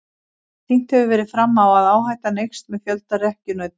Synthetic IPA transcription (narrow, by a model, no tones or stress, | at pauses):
θin̥t̪hɛvɪvɛːɾɪðfɾamːawaðaːwɦaːjt̪anejxst̪mɛðfjœlt̪arɛhcʏnœt̪